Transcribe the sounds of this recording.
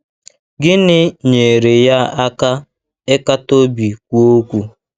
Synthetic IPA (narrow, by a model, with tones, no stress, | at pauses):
ɡɪ˦nɪ˦ɲe˨ɾe˨ja˦a˦ka˦ | ɪ˦ka˦to˦bi˨kʷu˦o˦kʷu˦